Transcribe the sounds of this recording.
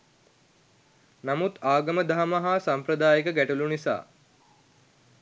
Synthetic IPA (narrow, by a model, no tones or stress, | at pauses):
namut̪aːɡəməd̪aɦaməɦaːsampɾəd̪aːjekəɡæʈulunisa̰ː